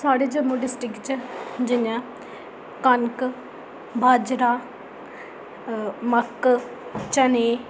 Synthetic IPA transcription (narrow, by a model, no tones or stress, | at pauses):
saːɽeːd͡ʒəmoɖɪsʈɪkt͡ʃd͡ʒɪnãː | kənk | bʱaːd͡ʒɾaː | məkː | t͡ʃəneː